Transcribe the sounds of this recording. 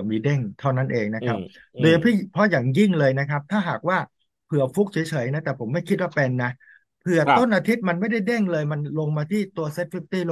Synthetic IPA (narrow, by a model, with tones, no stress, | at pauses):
miː˧de˥˩ŋt̪ʰa˥˩wna˥˩nʔeː˧ŋna˦˥kʰa˦˥p̚ | doː˧jpʰi˥˩pʰɾɔ˦˥jaː˨˩ŋji˥˩ŋlɤː˧jna˦˥kʰa˦˥p̚t̪ʰaː˥˩ɦaː˨˩k̚waː˥˩ | pʰɯ˨˩ɐfu˦˥k̚t͡ɕʰi˩˦t͡ɕʰɤː˩˦jna˦˥t̪ɛː˨˩pʰo˩˦mːa˥˩jkʰi˦˥waː˥˩pɛ˧nːa˦˥ | pʰɯ˨˩ɐt̪o˥˩nʔaː˧t̪ʰi˦˥t̪̚ma˧nma˥˩jda˥˩jde˥˩ŋlɤː˧jma˧nlo˧ŋmaː˧t̪ʰiː˥˩t̪u˧ɐse˦˥t̪̚fʰi˦˥p̚t̪iː˥˩l